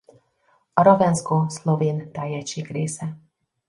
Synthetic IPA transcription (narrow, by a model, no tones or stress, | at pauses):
ɒɾovɛnskoːsloveːnt̪ɛjːɛʃːeːɡreːsɛ